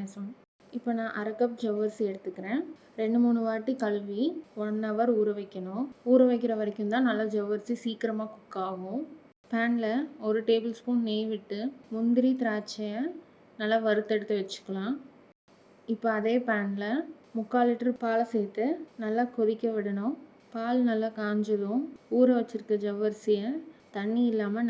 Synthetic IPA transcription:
esɐ | ɪpːoːnãːʔɐɾɐkːɐp̚d͡ʒɛʋɐɾsiɛɽɯt̪ːɯkːɪɾẽː | ɾɛɳɖɯmuːɳɯʋaːʈːikɐɭʋiɔnːɐʋɐɾuːɾɯʋɐɪkːɐɳʊ̃uːɾɯʋɐɪk̬ːɪɾɐʋɐɾɛkʲːɯmt̪ãːnɐlːaːd͡ʒɛʋɐɾsisiːkɪɾɐmaːkʊkːaːʋʊ̃ | paːnlɐɔɾɯʈeːbɪlskʊ̃ɳneːʋɪʈːɯmʊnd̪ɪɾit̪ɪɾaːt͡ʃːɐjɐ | nɐlːaːʋɐɾɯt̪ːɛɽɯt̪ːɯʋɐt͡ʃːɯ̥kːɐɭãː | ɪpːoɐðeːpaːnlɐ | mʊkːaːlɪʈːɐɾpaːlɐseːt̪ːɯnɐlːaːkʊɾɪkːɐʋɪɽɐɳʊ̃ | paːlnɐlːaːkaːɲd͡ʒɐðʊ̃uːɾɐʋɐt͡ʃːɯɾɯkːɐd͡ʒɐʋɐɾsɪjɐt̪ɐɳːiɪlːaːmɐ

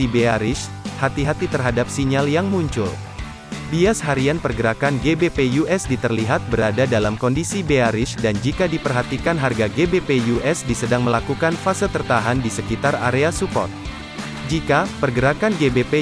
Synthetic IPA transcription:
ibeaɾɪʃ | hat̪iɦat̪it̪ərɦadap̚siɲaljaŋmuɲt͡ʃʊ̰l | biasɦaɾianpərɡəɾakanɡebepejuʔɛsdit̪ərliɦat̪̚bəɾadadalamkɔndisibeaɾɪʃdand͡ʒikadipərɦat̪ikanɦarɡaɡebepejuʔɛsdisədaŋməlakukanfasət̪ərt̪aɦandisəkit̪ara̰ɾeasupɔ̰t̪̚ | d͡ʒikapərɡəɾakanɡebepe

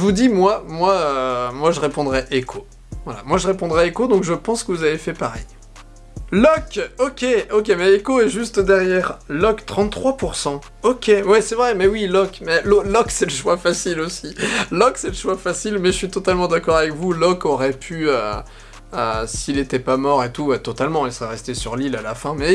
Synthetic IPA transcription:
ʒəvud̪imwamwaømwaʒəʁepɔ̃d̪ʁɛʔekʰo | vwala̰mwaʒəʁepɔ̃d̪ʁɛekod̪ɔ̃kʒəpɑ̃skəvuzavefɛpaʁɛ̰j | lɔkɔkʲeokʲemɛekoɛʒyst̪d̪ɛʁjɛʁlɔkt̪χɑ̃t̪ːχwapuʁsɑ̃ | ɔkʲewɛsɛvʁɛmɛwilɔkmɛlɔlɔksɛləʃwafasilosilɔksɛləʃwafasilmɛʒəsɥit̪ɔt̪almɑ̃d̪akɔʁavɛkvulɔkɔʁɛpʰyø | øsiːlet̪ɛpamɔʁet̪uɛt̪ɔt̪almɑ̃ilsəʁɛʁɛst̪esyʁlilalafɛ̃mɛ

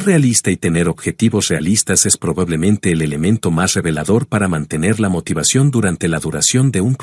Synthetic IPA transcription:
re̞alist̪ait̪e̞ne̞ɾo̞βxe̞t̪iβo̞sre̞a̰list̪ase̞spɾo̞βaβle̞mẽ̞nt̪e̞ːle̞le̞mẽnt̪o̞masre̞βe̞laðo̞ɾpaɾamãnt̪e̞ne̞ɾlamo̞t̪iβasjo̞nd̪uɾant̪e̞laðuɾasjo̞nd̪e̞ump

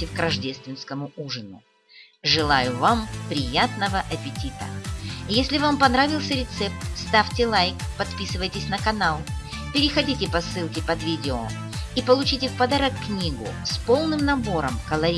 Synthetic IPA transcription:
ɪfkɾɐʐdʲest̪vʲɪnskəmʊuʐɨnʊ̰ | ʐɨlˠajʊvampɾʲɪjat̪nəvəʔɐpʲɪtʲit̪ə̰jesʲlʲɪvampɐnɾavʲɪlˠsʲəɾʲɪt̪sɛp̚t̪st̪afʲtʲɪlˠajkpɐt̪pʲisɨvəjtʲɪsʲnəkɐnalˠ | pʲɪɾʲɪxɐdʲitʲɪpɐsːɨlˠkʲɪpɐd̪vʲidʲɪo | ipəlˠʊt͡ɕitʲɪfpɐd̪aɾəkːnʲiɡʊ̰spo̞lˠnɨmnɐbo̞ɾəmkəlˠɐɾʲi

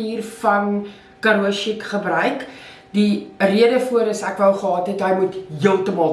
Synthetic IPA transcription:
iːrfɐn | kɐɾuʃikχəbrœɥk | diriədəfuəɾəsækvəlχəɑːtɦetɦəjmutɦiəlˠtəmɑlˠ

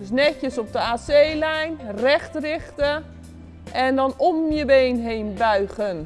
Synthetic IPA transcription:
snɛcjəsɔp̚dəaːsejlɛjnrɛxtrɪxtə | ʔɛndɔnomjəbejnɦeːnbœɥɣən

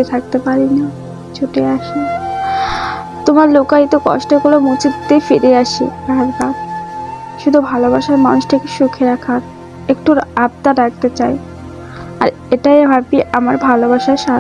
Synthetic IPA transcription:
et̪ʰak̚t̪epaɾina | t͡ɕʰoʈeaʃe | t̪omaɾlokajt̪okɔ̰ʃʈokolomut͡ɕit̪ːefiɾeaʃḭbɛɾbaɾ | ʃud̪ʱubʱalobaʃaɾmanuʃʈʰakeʃukʰeɾakʰaɾ | ekʈuɾab̚t̪aɾak̚t̪et͡ɕae | a̰ɾ | eʈajbʱapiʔamaɾbʱalobaʃaʃa

